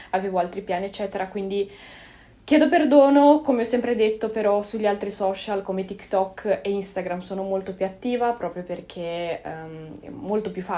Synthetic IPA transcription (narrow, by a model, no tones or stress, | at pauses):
aveːvoalt̪ɾipjaːniɛt͡ʃːɛːt̪eɾakwind̪i | k̟jɛːd̪operd̪oːnokomeɔsːɛmpɾed̪et̪ːopeɾɔsuʎːialt̪ɾisɔːt͡ʃalkomet̪ikt̪ɔkːeinst̪aɡɾamsoːnomolt̪opjuat̪ːiːvapɾɔːpɾjoperk̟ʰe | ɛ̰molt̪opjufa